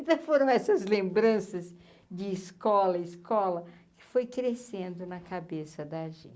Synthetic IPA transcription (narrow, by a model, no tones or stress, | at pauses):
t̪ɐ̃foɾɐ̃w̃ɛsɐzlẽmbɾɐ̃sɐz | d͡ʒɪːskɔlɐiskɔlɐ | kɪ̥fojkɾesẽnd̪ʊnɐkabesɐd̪ɐʒḛ̃